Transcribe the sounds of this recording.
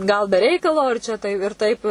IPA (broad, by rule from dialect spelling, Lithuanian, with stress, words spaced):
ɡɐlˠ bʲɛ ˈrʲɛɪkɐlˠoː ɪr ˈt͡ʃʲɛ tɐɪ ɪr ˈtɐɪp